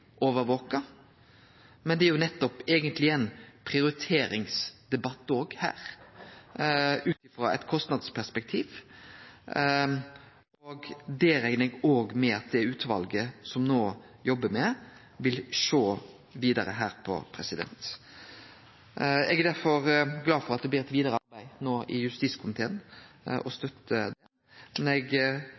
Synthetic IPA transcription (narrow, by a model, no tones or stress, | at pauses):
ʔoːʋəɾʋoːkɑ | mɛnd̪ɛæɾjʊnɛt̪ːɔpɛːɡənt̪lɪɛnpʰɾɪʊɾɪt̪ʰeːɾɪŋsd̪̥ɛbɑt̪ːoːɡhæ̰ːɾ | ʉːt̪ɪfɾɑ̰ʔɛ̰t̪kʰɔst̪nɑd̪spʰæspɛk̚t̪ʰiːʋ | oɡd̪ɛɾɛɪnəɛɡoːɡmɛɑt̪̚d̪ɛʉːt̪ʰʋɑ̰lɡəsɔmnoː | jɔbːəmɛ | ʋɪlʃoː | ʋiːd̪ɑɾəɦæːɾpʰɔ̰pʰɾɛsɪd̪ɛ̰nt̪ | ɛɡæd̪æɾfɔɾɡlɑːd̪fɔʁɑt̪̚d̪ɛb̪iːɾɛt̪ʋiːd̪əɾəɑɾbæɪnoːʔɪjʉst̪iːskʰʊmɪt̪ʰeːnʔɔst̪œt̪ːəd̪ɛ | mɛnɛɡ